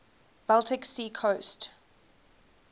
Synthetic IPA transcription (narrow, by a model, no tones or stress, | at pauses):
b̥ɛlˠtʰɪksiːkʰost